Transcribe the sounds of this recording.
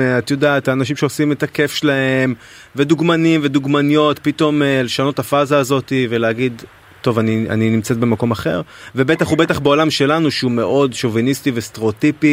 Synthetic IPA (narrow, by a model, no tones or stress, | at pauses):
at̪jodaːtaːnaʃ̬imʃeosime̞take̞fʃlae̞m | ve̞d̪uɡmanimve̞d̪uɡmanijo̞t̪pito̞meleʃano̞t̪afazaːzo̞t̪ive̞leaɡid̪ | t̪o̞vania̰ninimt͡set̚be̞mako̞maχe̞̰ʁve̞be̞t̪aχhube̞taχbeo̞lamʃe̞lanuʃeume̞ʔo̞dʃovinist̪ivest̪eoːt̪ipi